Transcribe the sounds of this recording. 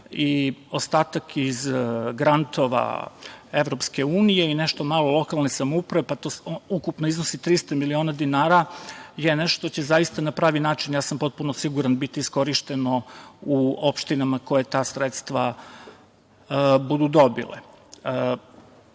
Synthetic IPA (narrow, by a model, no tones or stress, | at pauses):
io̞st̪aːt̪akizɡɾant̪o̞ʋa̰e̞ʋɾo̞pske̞uːnije̞ine̞ʃt̪o̞malo̞lˠo̞kalˠnesamoupɾaʋepat̪oukupnoiznosit̪ɾist̪amilio̞nad̪inaːɾajene̞ʃt̪o̥t̪ot͡ɕe̞zaist̪anapɾaːʋinaːt͡ʃinjaːsampo̞t̪̚punosiɡuɾanbit̪iːsko̞ɾiʃt̪e̞nouo̞pʃt̪inamako̞je̞t̪aːsɾet̪st̪ʋa | bud̪ud̪o̞bḭlḛ